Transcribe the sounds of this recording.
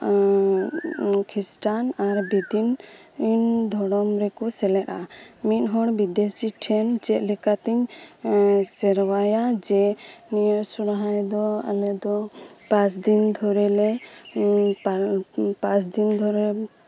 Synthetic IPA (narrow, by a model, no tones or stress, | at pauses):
kʰisʈanaɾbid̪in | ind̪ʱɔɽɔmɾɛkɔsɛlɛt̪a | mit̪̚ɦɔɽbid̪esiʈʰɛnd͡ʒɛʔ̪lɛkat̪ɛɲ | sɛɾwajad͡ʒɛnijɔsuɽaɦajd̪ɔa̰lɛd̪ɔ | pãsd̪ind̪ʱɔɾɛlɛ | apãsd̪ind̪ʱɔɾɛ